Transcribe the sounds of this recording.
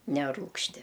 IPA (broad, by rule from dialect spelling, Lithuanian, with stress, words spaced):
nʲɛˈruːkʃʲtʲɪ